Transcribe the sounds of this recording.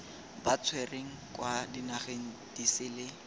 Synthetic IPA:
bat͡sʰwɛreŋ̩kwadinaχeŋ̩d̥isɪlɪ

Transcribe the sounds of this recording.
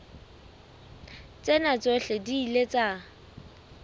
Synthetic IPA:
t͡sʼenat͡sʼoɬediːlet͡sʼa

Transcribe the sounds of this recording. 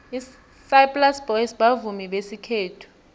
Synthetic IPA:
i | sajplasbɔjisɓavumiɓesikʰeːtʰu̥

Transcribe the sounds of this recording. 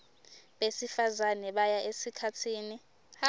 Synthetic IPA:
ɓesifazanɛɓajaʔesikʰatʰiːni

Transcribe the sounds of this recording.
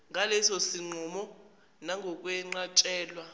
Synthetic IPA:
ŋalɛsɔsiŋ͡ǃʱɔmɔ | naŋɡʱɔk̬ʼwɛŋ͡ǃat͡ʃʼɛːlwa

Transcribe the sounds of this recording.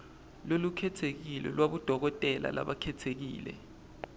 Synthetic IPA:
lolukʰɛtʰek̬ilɛ̰lwaɓud̥ʱɔk̬ɔtʼɛla̰la̰ɓakʰɛtʰek̬iːlɛ̰

